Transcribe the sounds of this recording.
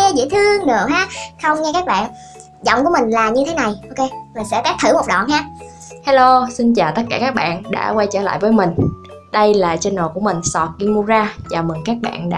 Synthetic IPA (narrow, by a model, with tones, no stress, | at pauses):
e˧zḭ˧˥jt̪ʰɨ˧əŋɗə˨˩ɦaː˨˦˥xə˧wŋ͡mŋɛ˧kaː˦˥k̚ɓa̰ː˧˨n | zɔ̰˧˨wŋ͡mku˧˩əmï˨˩ŋ̟laː˨˩ɲɨ˧t̪ʰe˨˦na˨˩jʔo˧ke˧zo˨˩jsɛ̰˧˥kaː˦˥k̚t̪ʰɨ˧˩mo˨˩k͡p̚ɗɔ̰˧˨nɦaː˨˦ | ha˧lo˧si˧nt͡ɕaː˨˩wt̪ə˦˥t̚kaː˧kaː˦˥k̚ɓa̰ː˧˨nɗa̰ː˧˥kwa˧jt͡ɕəː˧˩la̰ː˧˨jvəː˨˦jmï˨˩ŋ̟ | ɗə˧jlaː˨˩t͡ɕe˧nːo˨˩ku˧˩əmï˨˩ŋ̟sɔ˨˩ki˧mu˧zaː˧t͡ɕaː˨˩mi˨˩ŋkaː˦˥k̚ɓa̰ː˧˨nɗa̰ː˧˥